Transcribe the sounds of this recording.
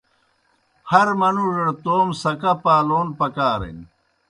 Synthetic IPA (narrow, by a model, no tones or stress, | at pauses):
hɐɾmɐnuʐeɽt̪oːmsɐkɐpaːloːnpɐkaːɾḛn